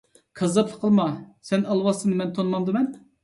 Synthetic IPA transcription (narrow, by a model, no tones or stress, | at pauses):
kʰɑzɑpʰlˠə̥qʰəlˠmɑsɛnɑlˠwɑsɨnɨmɛnt̪ʰonmɑmd̪ɨmɛn